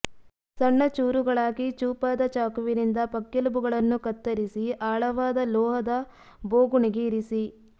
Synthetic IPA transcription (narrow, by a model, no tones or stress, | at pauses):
sɐɳːɐt͡ʃuːɾuɡɐɭaːɡit͡ʃuːpaːd̪ɐt͡ʃaːkuʋiɾind̪ɐpɐkːelubuɡɐɭɐnːukɐt̪ːɐɾisiaːɭɐʋaːd̪ɐlɔːɦɐd̪ɐ | boːɡuɳiɡeiɾisi